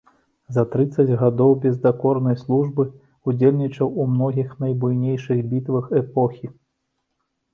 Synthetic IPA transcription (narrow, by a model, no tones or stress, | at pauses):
zɐt̪ɾɨt̪sɐd͡zʲɣad̪ɔwbʲɛzd̪akɔrnɐjslˠuʐbɨ | ud͡zʲelʲnʲit͡ʂɐwumnɔɣʲixnɐjbujnʲejʂɨɣbʲit̪vɐxɛpɔxʲi